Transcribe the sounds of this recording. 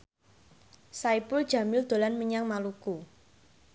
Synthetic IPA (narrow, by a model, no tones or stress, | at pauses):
saipʊld̥ʒ̥a̤mɪld̪̥o̤lanməɲaŋmaluku